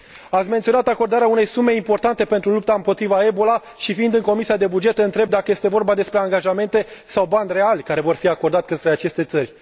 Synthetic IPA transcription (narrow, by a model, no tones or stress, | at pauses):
at̪sʲme̞nt̪sio̞nat̪ako̞rd̪aɾeaune̞jsume̞impo̞rt̪ant̪e̞pe̞nt̪ɾulup̚t̪aɨmpo̞t̪ɾivae̞bo̞la | ʃifiind̪ɨŋko̞misiad̪e̞bud͡ʒe̞t̪ɨnt̪ɾe̞b̚d̪akəjest̪e̞vo̞rbad̪e̞spɾe̞aŋɡaʒame̞nt̪e̞sawband̪re̞alʲkaɾe̞vo̞rfiako̞rd̪at̪ʲkət̪ɾeat͡ʃe̞st̪e̞t̪sərʲ